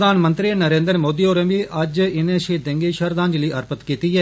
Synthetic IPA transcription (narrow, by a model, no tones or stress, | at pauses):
d̪aːnmənt̪ɾinəɾẽːnd̪əɾmoːd̪iːoːɾẽʋiːʔəd͡ʒɪnẽːʃiːd̪ə̃ŋɡeːʃəɾd̪ãːɲd͡ʒliːʔəɾpət̪kiːt̪iːɦɛː